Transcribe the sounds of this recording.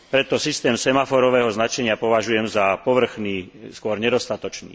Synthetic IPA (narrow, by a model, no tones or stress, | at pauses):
pɾɛt̪ɔsist̪ɛːmsɛmafɔɾɔʋɛːɦɔznat͡ʃɛɲɪapɔʋaʒujɛmzapɔʋr̩xniːskʊɔɾɲɛd̪ɔst̪at̪ɔt͡ʃnḭː